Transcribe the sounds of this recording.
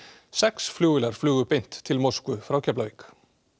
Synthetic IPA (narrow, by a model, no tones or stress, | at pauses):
sɛksfluːɪlaɾ̥flyːɣʏpɪjn̥t̪ʰːɪlmowskʏfɾawcʰɛplavik